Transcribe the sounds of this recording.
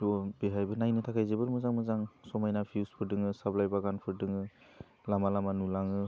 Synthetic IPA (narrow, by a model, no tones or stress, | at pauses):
ɔbeɦajbɯnajnɯtʰakʰajzebɯɾmɯzaŋmɯzaŋsɔmajnapʰiwspʰɯɾdɯŋɯsaplajbaɡanpʰɯɾdɯŋɯ | lamalamanulaŋɯ